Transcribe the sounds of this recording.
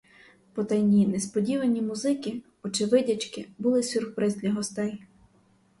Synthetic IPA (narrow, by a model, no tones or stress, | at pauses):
pɔt̪ɛjnʲinɛspɔdʲiʋɐnʲimuzɪkɪ | ɔt͡ʃɪʋɪdʲɐt͡ʃkɪbʊlˠɪsʲurxpɾɪzʲd̪ʲlʲɐɦɔst̪ɛj